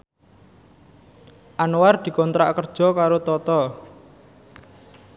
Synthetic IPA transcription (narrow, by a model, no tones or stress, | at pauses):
ʔanward̪̥i̤kɔnt̪ɾa̰kərd̥ʒ̥ɔ̤kaɾot̪ɔt̪ɔ